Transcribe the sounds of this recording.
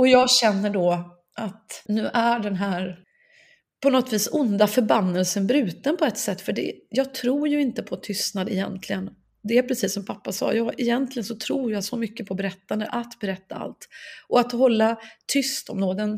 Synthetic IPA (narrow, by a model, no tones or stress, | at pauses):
ɔjɑːɡɕɛnːəɖɔ | ʔat̪nʉ̟ːʔæɖɛnɦæːɾ | pʰɔnɔt̪ːviːsʊnd̪afœɾbanːəlsənbɾʉ̟ːt̪ənpʰɔɛt̪sɛt̪ːfœɖɛ̰jɑːɡ̚t̪ʰɾuːɾjɵɪnt̪əpʰɔt̪ʰʏst̪nad̪ɛjɛ̰nt̪ʰlɪɡən | d̪ɛːɾpʰɾɛsiːsːɔmpʰapːasɑ̰ːjɑːʔɛjɛnt̪lɪɡənsɔt̪ʰɾuːɾjasɔmʏkːəpʰɔbɛɾɛt̪ːand̪əʔat̪bɛɾɛt̪ːaa̰lt̪ʔɔat̪hɔlːat̪ʰʏst̪ɔmd̪oːd̪ɛn